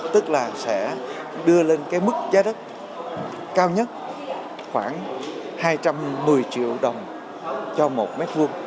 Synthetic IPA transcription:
t̪ɨ˦˥k̚laː˨˩sɛ̰˧˥ | ɗɨ˧əle˧nkaː˨˦jmɨ˦˥k̚zaː˨˦ɗə˦˥t̚ | kaː˧wɲə˦˥t̚ | xwaː˧˩nhaː˧jt͡ɕa˧mːɨ˨˩əjt͡ɕḭ˧˨əwɗə˨˩wŋ͡m | t͡ɕɔ˧mo˨˩t̚me˦˥t̚vɨ˧əŋ

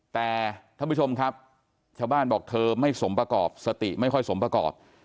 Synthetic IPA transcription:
t̪ɛː˨˩t̪ʰa˥˩pʰu˥˩t͡ɕo˧mkʰa˦˥p̚ | t͡ɕʰaː˥˩wbaː˥˩nbɔː˨˩k̚t̪ʰɤː˧ma˥˩jso˩˦mpɾa˧kɔː˨˩p̚sa˧t̪i˨˩ma˥˩jkʰɔ˥˩jso˩˦mpɾa˧kɔ̰ː˨˩p̚

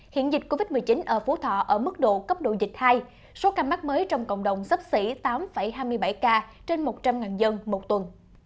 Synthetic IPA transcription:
hḭ˧˨ənzi˨˩k̟̚ko˧vi˦˥t̚mɨ˨˩əjt͡ɕi˨˦nʔəː˧˩fo˨˦t̪ʰɔ̰˧˨ʔəː˧˩mɨ˦˥k̚ɗo̰˧˨kə˦˥p̚ɗo̰˧˨zï˨˩k̟̚haː˧j | so˨˦kaː˧ma˦˥k̚məː˨˦jt͡ɕɔ˧wŋ͡mkə̰˧˨wŋ͡mɗə˨˩wŋ͡msə˦˥p̚sḭ˧˩t̪aː˨˦mfə˧˩jɦaː˧jmɨ˧əjɓa˧˩jkaː˧t͡ɕe˧nmo˨˩t̚t͡ɕa˧mŋaː˨˩nzə˧nmo˨˩t̚t̪wə˨˩n

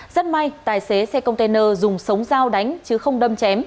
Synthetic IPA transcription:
zə˦˥t̚ma˧jt̪aː˨˩jse˨˦sɛ˧kə˧wŋ͡mt̪e˧nəː˧zʊ˨˩ŋ͡msə˨˦wŋ͡mzaː˧wɗa˨˦jŋ̟t͡ɕɨ˨˦xə˧wŋ͡mɗə˧mt͡ɕɛ˨˦m

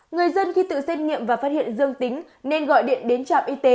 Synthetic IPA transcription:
ŋɨ˨˩əjzə˧nxi˧t̪ɨ̰˧˨sɛ˧t̚ŋḭ˧˨əmvaː˨˩fa˦˥t̚hḭ˧˨ənzɨ˧əŋt̪ï˨˦ŋ̟ | ne˧nɣɔ̰˧˨jɗḭ˧˨ənɗe˨˦nt͡ɕa̰ː˧˨wʔi˧t̪e˨˦

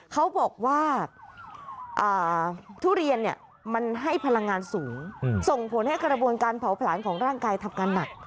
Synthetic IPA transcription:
kʰa˦˥wbɔː˨˩k̚waː˥˩ | ʔɤː˨˩t̪ʰuː˦˥˩ɾi˧ənːi˥˩ə | ma˧nɦa˥˩jpʰa˧la˧ŋːaː˧nsuː˩˦ŋso˨˩ŋpʰo˩˦nha˥˩jkɾa˧bu˧ənkaː˧npʰa˩˦wpʰlaː˩˦nkʰɔː˩˦ŋɾaː˥˩ŋkaː˧jt̪ʰa˧mkaː˧nːa˨˩k̚

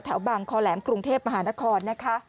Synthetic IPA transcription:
t̪ʰɛ˨˩˦wbaː˨˩ŋkʰɔː˧lɛː˩˦mkɾu˧ŋt̪ʰeː˥˩p̚ma˧ɦaː˩˦na˦˥kʰɔː˧nːa˦˥kʰa˦˥

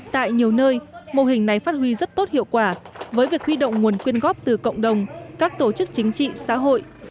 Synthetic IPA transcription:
t̪a̰ː˧˨jɲi˨˩əwnəː˧jmo˨˩hï˨˩ŋ̟na˨˩jfaː˦˥t̚ɦwi˧zə˦˥t̚t̪o˦˥t̚hḭ˧˨əwkwaː˧˩vəː˨˦jvi˨˩ək̚hwi˧ɗo̰˧˨wŋ͡mŋu˨˩ənkwi˧ənɣɔ˦˥p̚t̪ɨ˨˩kə̰˧˨wŋ͡mɗə˨˩wŋ͡mkaː˦˥k̚t̪o˧˩t͡ɕɨ˦˥k̚t͡ɕï˨˦ŋ̟t͡ɕḭ˧˨sa̰ː˧˥ɦo̰˧˨jʔ

